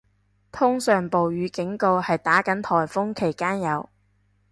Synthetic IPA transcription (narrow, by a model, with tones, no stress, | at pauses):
t̪ʰʊ˥ŋsœː˨ŋpo˨wjyː˨˧kɪ˨˥ŋko˧whɐ˨jt̪aː˨˥kɐ˨˥nt̪ʰɔː˨˩jfʊ˥ŋkʰe˨˩jkaː˥njɐ˨˧w